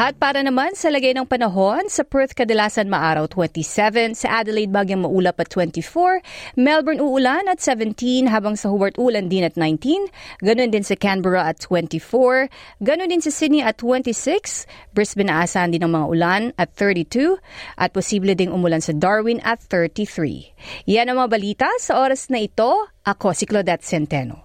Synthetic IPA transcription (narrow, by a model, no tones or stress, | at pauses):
ʔɐt̪̚paːɾɐnɐmansɐlɐɡajnɐŋpɐnɐɦo̞nsɐpɛɹt̪kɐd̪ɐlaːsɐnmɐʔaːɾɐwt̪wɛnt̪isɛvɛnsɐʔad̪ɛlejd̪̚baːɡjɐŋmɐʔuːlɐpɐt̪ːwɛnt̪ifoɹmɛlbɛɹnuʔʊlanɐt̪sɛvɛnt̪inɦaːbɐŋsɐhobɐɹt̪ʔuːlɐnd̪ɪnɐt̪̚najnt̪inɡɐno̞nd̪ɪnsɐkanbɛɹɐʔɐt̪ʰːwɛ̃nt̪ifoɹɡɐnond̪ɪnsɐsɪd̪nɪʔɐt̪ːwɛ̃nt̪isɪksbɹɛsbɛnɐaʔːsaːhɐnd̪inɐŋmɐŋa̰ʔʊlanɐt̪̚θɛɹt̪it̪uʔɐt̪̚posiːblɛd̪ɪŋʔʊmʊlansɐd̪aɹwɪnɐ̰t̪θɛɹt̪iθɹḭjanɐŋmɐŋabɐliːt̪ɐsɐʔoːɾɐsnɐʔɪt̪o̞ʔɐkosɪklod̪ɛt̪̚sɛnt̪ɛno̰